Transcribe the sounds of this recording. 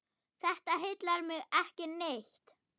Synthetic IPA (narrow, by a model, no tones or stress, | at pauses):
θɛht̪aɦɪjt̪laɾmɪɣɛhcɪnejçt̪